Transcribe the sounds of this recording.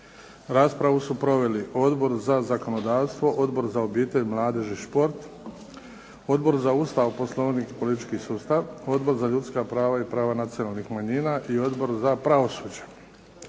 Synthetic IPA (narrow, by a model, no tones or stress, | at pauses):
ɾaːspɾaʋusupɾo̞ʋe̞liʔo̞d̪bo̞ɾzazako̞no̞d̪aːʋst̪ʋo̞ʔo̞d̪bo̞ɾzaobiːt̪e̞ʎmlˠaːd̪e̞ʒiʃpo̞ɾt̪ | o̞d̪bo̞ɾzaust̪aʋpo̞slˠo̞ʋnikpo̞lit̪it͡ʃkisuːst̪aʋo̞d̪bo̞ɾzaʎut̪skapɾaːʋaipɾaːʋanat̪sijonalˠnixmaɲiːnaʔio̞d̪bo̞ɾzapɾaʋo̞suːd͡ʑḁ